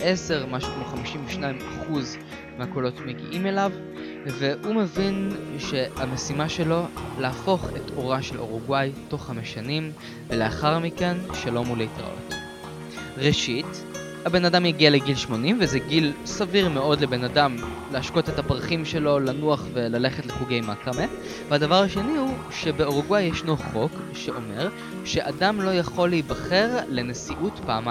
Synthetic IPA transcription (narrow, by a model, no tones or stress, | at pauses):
ʔe̞se̞ʁmaʃukmoχamiʃimveʃnaimaχuz | mehakolo̞tmeɡḭʔime̞lav | ve̞hume̞vinʃe̞ame̞simaʃe̞lo̞leafo̞χe̞to̞ʁaʃe̞lo̞̰ʁuɡwajto̞χhameʃanim | veleaχaʁmike̞nʃalo̞mulejtʁa̰ʔo̰t | ʁeʃit | habe̞nadamjaɡialeɡilʃmo̞nimvezeɡilsaviʁmeo̞dle̞be̞nadam | leaʃko̞tetapʁaχimʃe̞lo̞lanuaχve̞lale̞χetleχuɡe̞jmakame | veadavaʁaʃe̞nihu | ʃe̞be̞o̞ʁuɡwajeʃnoχo̞kʃe̞ʔo̞me̞ʁ | ʃe̞ʔadamlo̞jaχo̞leibaχe̞ʁle̞nesiʔutpaːma